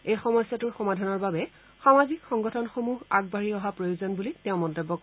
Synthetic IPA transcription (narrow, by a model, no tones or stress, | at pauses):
ejxɔmɔsjatʊɹxɔmadʱanɔɹbabɛ | xamazikxɔŋɡɔtʰɔnxomuɦaɡ̚baɹiɔɦapɹojuzɔnbulitɛʊ̃mɔntobːɔk